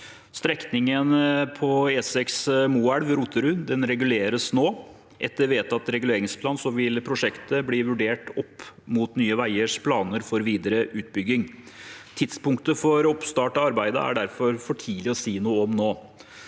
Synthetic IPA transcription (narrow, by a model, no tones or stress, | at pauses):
st̪ɾɛknɪŋənpʰɔeːsɛksmuːæɽʋɾut̪ʰəɾʉd̪ɛnɾɛɡʉleːɾəsnoː | ʔɛt̪ːəɾʋeːt̪ɑt̪ɾɛɡʉleːɾɪŋspʰlɑːnsɔʋɪlpʰɾʊʂɛkt̪əbliːʋʉɖeːʈɔpːmuːt̪nyːəʋæɪəʂpʰlɑːnəɾfɔɾʋiːd̪əɾəʔʉːt̪̚bʏɡɪŋ | t̪ʰɪt̪spʊŋkt̪əfɔɾɔpst̪ɑːʈəɑɾbæɪd̪ə̰æ̰ɖæɾfɔɾfɔʈʰiːlɪɔsiːnuːəɔmnoː